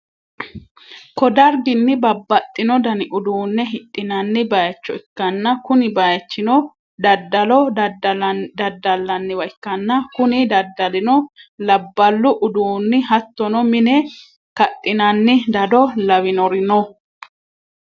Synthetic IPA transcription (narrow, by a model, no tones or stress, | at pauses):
kɔd̪ɐɾɡɪnːɪbɐbːɐt̪ʼːɪnɔd̪ɐnɪʔʊd̪uːnːɛɦɪt̪ʼːɪnɐnːɪbɐjɐt͡ʃːɔɪkːɐnːɐkʊnɪbɐjɐt͡ʃːɪnɔ | d̪ɐd̪ːɐlɔ | d̪ɐd̪ːɐlːɐnːɪwɐjɪkːɐnːɐkʊnɪd̪ɐd̪ːɐlɪnɔlɐbːɐlːʊʔʊd̪uːnːɪɦɐt̪ːɔnɔmɪnɛ | kɐt̪ʼːɪnɐnːɪd̪ɐd̪ɔlɐwɪnɔɾɪnɔ